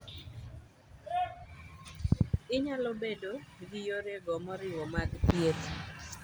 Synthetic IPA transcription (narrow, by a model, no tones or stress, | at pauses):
ɪɲalɔbedoɡijoɾeɡɔmɔɾɪwɔmaɡpjet̪